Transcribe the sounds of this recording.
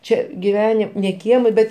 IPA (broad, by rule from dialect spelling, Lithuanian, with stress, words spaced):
ˈt͡ʃʲɛ ɡʲɪˈʋʲæːnʲɪ nʲɛ ˈkʲiɛmʲɛ ˈbʲɛt